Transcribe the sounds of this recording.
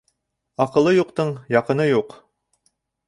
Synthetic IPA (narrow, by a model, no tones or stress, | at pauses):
ɑqɤ̆lˠːɤjuqt̪ɤɴjɑqɤ̆nɤjuq